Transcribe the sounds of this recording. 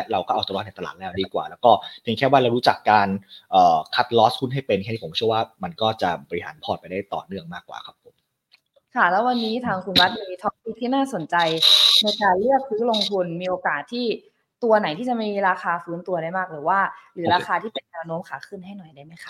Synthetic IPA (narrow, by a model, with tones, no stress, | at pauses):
ɾa˧wkɔː˥˩ʔa˧wt̪u˧˦˥na˨˩t̪a˧l̰̚ːlɛː˦˩wdiː˧kwa̰ː˨˩lɛː˦˥wkɔː˥˩p̪ʰi˨˩˦ŋkʰɛː˥˩waː˥˩ɾa˧wɾuː˦˥t͡ɕa˨˩kːaː˧nʔɤː˨˩kʰa˦˥t̪̚lɔː˦˥skʰu˥˩nɦa˥˩jpe˧nkʰɛː˥˩iː˥˩˨t͡ɕʰɯ˥˩əwaː˥˩ma˧nkɔː˥˩t͡ɕa˨˩bɔː˧ɾi˦˩ɦaː˩˦npʰɔː˧˩t̪̚pa˧jdaː˥˩jt̪ɔ̰ː˨˩nɯ˥˩əŋmaː˥˩kːwa̰ː˨˩kʰa˦˥pʰːo˨˩˦m | kʰa˦˥˩lɛ˦˥wa˧nːiː˦˥t̪ʰaː˧ŋkʰu˧nwa˦˥t̪̚ma˧miː˧t̪ʰɔː˦˥k̚si˦˥˩k̚t̪ʰːiː˥˩naː˥˩so˩˦nt͡ɕa˧jna˧jkaː˧nlɯ˥˩ək̚sɯ˦˥lo˧ŋt̪ʰu˧nmiː˧ʔoː˧kaː˨˩t̪ʰːiː˥˩ | t̪u˧ɐna˩˦jt̪ʰiː˥˩t͡ɕa˨˩maijmːiː˧ɾaː˧xaː˧fɯː˦˥nt̪u˧ɐɾa˥˩jmaː˥˩k̚ɾɯː˩˦waː˥˩ɾɯː˩˦ɾaː˧xaː˧t̪ʰiː˥˩pe˧nːɛ˧wno˦˥mkʰaː˩˦kʰɯ˥˩nɦa˥˩jnɔ˨˩jdaː˥˩jma˦˥jkʰa˦˥